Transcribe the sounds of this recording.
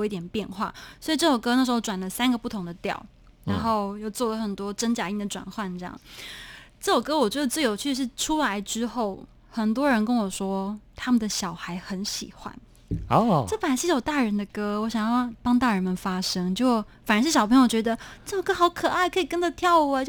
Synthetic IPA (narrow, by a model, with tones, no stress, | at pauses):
i˥t̪jɛ˨˩npjɛ˥˧nxwa̰˥˩swɔ˧˥i˨˩ʈ͡ʂɤ˥˩jo˨˩ʊkɤ˥n˥˩ʂɻ̩˧˥xo˥˩ʊʈ͡ʂwa˨˩nlə˦sa˥nɡə˨pu˥˩t̪ʰʊ˧˥ŋd̪ə˨t̪jɑ̰˥˩ʊ | ɻa˧˦˩nxo˥˧ʊjo˥˧ʊt͡swɔ˥˩lə˩xə˨˩nt̪wɔ˥ʈ͡ʂə˥nt͡ɕja˧˥i˥˩ŋd̪ə˩ʈ͡ʂwa̰˨˩nxwa˥˧nʈ͡ʂɤ˥˧jɑ̰˥˩ŋ | ʈ͡ʂɤ˥˩jo˨˩ʊkɤ˥wɔ˨˩t͡ɕɥd̪ə˧˩t͡sɹ̩˥˩jo˨˩ʊt͡ɕʰy˥˩ʂ̬ɻ̩˥˩ʈ͡ʂʰu˥la˧˥ɪʈ͡ʂɻ̩˥xo˥˩ʊ | xə˨˩nt̪̬wɔ˥ɻə˧˥nkə˥nwɔ˨˩ʂwɔ˥t̪ʰa˥mə˨nd̪ə˩ɕjɑ˨˩ʊxa˧˥ɪxə˧˥nɕḭ˨˩xwa̰˧˥n˥ | ʈ͡ʂɤ˥˩fə˨˩na˥ʂɻ̩˥jo˨˩ʊt̪a˥˩ɻə˧˥nd̪ə˨kɤ˥wɔ˧˥ɕjɑ˨ŋjɑ˥˩˥pɑ˥ŋt̪a˥˩ɻə˧˥nmə˨nfa˥ʂɤ˥ŋt͡ɕjo˥˩ʊ | fa˨˩nə˧˥ʂɻ̩˥˩ɕɑ˨˩pʰə˧˥jo˥˩ʊt͡ɕɥd̪ə˧ʈ͡ʂɤ˥˩o˨˩kɤ˥xɑ˧˥ʊkʰɤ˨˩a˥˩ɪkʰɤ˧˥i˨˩kə˥ndə˨t̪ʰjɑ˥˩ʊu˧˥˧t͡ɕjo˥˧